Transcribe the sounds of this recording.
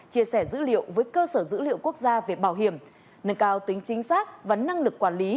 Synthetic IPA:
t͡ɕi˧˩əsɛ˧˩zɨ̰˧˥lḭ˧˨əwvəː˨˦jkəː˧səː˧˩zɨ̰˧˥lḭ˧˨əwku˦˥ək̚zaː˧ve˨˩ɓaː˧˩wɦi˧˩əm | nə˧nkaː˧wt̪ï˨˦ŋ̟t͡ɕï˨˦ŋ̟saː˦˥k̚vaː˨˩na˧ŋlɨ˨˩k̚ːwaː˧˩nli˨˦

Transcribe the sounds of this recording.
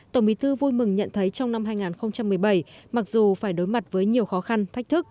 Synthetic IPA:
t̪ə˧˩ŋ͡mɓi˨˦t̪ʰɨ˧vu˧jmɨ˨˩ŋɲə̰˧˨nt̪ʰə˨˦jt͡ɕɔ˧wŋ͡mna˧mɦaː˧jŋaː˨˩nxə˧wŋ͡mt͡ɕa˧mːɨ˨˩əjɓə˧˩jma˨˩k̚zu˨˩faː˧˩jɗo˨˦jma˨˩t̚vəː˨˦jɲi˨˩əwxɔ˨˦xa˧nt̪ʰk̚t̪ʰɨ˦˥k̚

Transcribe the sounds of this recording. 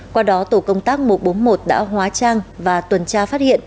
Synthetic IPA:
kwaː˧ɗɔ˨˦t̪o˧˩kə˧wŋ͡mt̪aː˦˥k̚mo˨˩t̚ɓo˨˦nmo˨˩t̚ɗa̰ː˧˥ɦwaː˨˦t͡ɕaː˧ŋvaː˨˩t̪wə˨˩nt͡ɕaː˧faː˦˥t̚hḭ˧˨ən

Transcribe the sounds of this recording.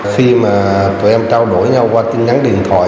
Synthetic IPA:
xi˧maː˨˩t̪u˨˩jʔɛ˧mt͡ɕaː˧wɗo˧˩jɲa˧wkwaː˧t̪i˧nɲa˨˦nɗḭ˧˨ənt̪ʰwa̰ː˧˨

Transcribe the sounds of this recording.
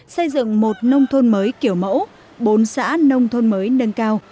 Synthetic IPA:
sə˧jzɨ̰˧˨ŋmo˨˩t̚nə˧wŋ͡mt̪ʰo˧nməː˨˦jki˧˩əwmə̰˧˥w | ɓo˨˦nsa̰ː˧˥nə˧wŋ͡mt̪ʰo˧nməː˨˦jnə˧nkaː˧w

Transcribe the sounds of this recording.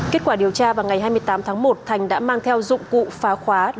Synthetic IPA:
ke˦˥t̚kwaː˧˩ɗi˨˩əwt͡ɕaː˧vaː˨˩wŋa˨˩jɦaː˧jmɨ˧əjt̪aː˨˦mt̪ʰaː˨˦ŋmo˨˩t̚t̪ʰa˨˩jŋ̟ɗa̰ː˧˥maː˧ŋt̪ʰɛ˧wzʊ̰˧˨ŋ͡mkṵ˧˨faː˨˦xwaː˨˦

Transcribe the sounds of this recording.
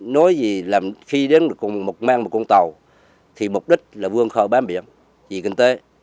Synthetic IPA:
nɔ˨˦jzi˨˩laː˨˩mxi˧ɗe˨˦nɨ˨˩əkʊ˨˩ŋ͡mmo˨˩t̚maː˧ŋmo˨˩ku˧nt̪ə˨˩w | t̪ʰi˨˩mʊ˨˩k͡p̚ɗï˦˥k̟̚laː˨˩vɨ˧əŋxəː˧˩ɓaː˨˦nɓḭ˧˥˨əŋ | zi˨˩kï˧ŋ̟t̪e˨˦

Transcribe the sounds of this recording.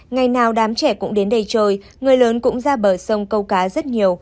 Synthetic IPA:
ŋa˨˩jnaː˨˩wɗaː˨˦mt͡ɕɛ˧˩kʊ̰˧˥ŋ͡mɗe˨˦nɗə˧jt͡ɕəː˧j | ŋɨ˨˩əjləː˨˦nkʊ̰˧˥ŋ͡mzaː˧ɓəː˧˩sə˧wŋ͡mkə˧wkaː˨˦zə˦˥t̚ɲi˨˩əw

